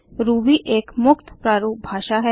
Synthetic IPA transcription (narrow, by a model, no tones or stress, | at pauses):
ɾuːbiʔeːkmʊkt̪ʰpɾaːɾuːk̚bʱaːʃaɦɛ